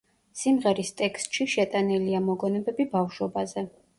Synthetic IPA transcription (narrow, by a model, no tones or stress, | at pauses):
simʁɛɾist̪ʼɛkst̪ʼʃiʃɛt̪ʼaniliamɔɡɔnɛbɛbibafʃɔbazɛ